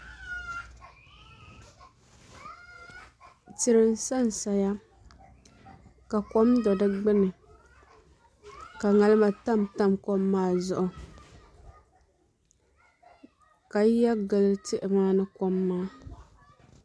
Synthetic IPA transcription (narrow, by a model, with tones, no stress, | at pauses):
tɪ˨ɾɨ˨n˦sa˦n˨sa˨ja˦ | ka˨kɔ˦mdɔ˨dɨ˦ɡ͡bɪ˦nɨ˨ | ka˨ŋa˨lɨ˦ma˨ta˦˨mta˦˨mkɔ˦mːaː˦zʊ˦ʔʊ˨ | ka˨˦ja˦ɡɨ˨lɨ˦tɪ˦ʔɪ˨maː˦nɨ˦kɔ˦mːaː˦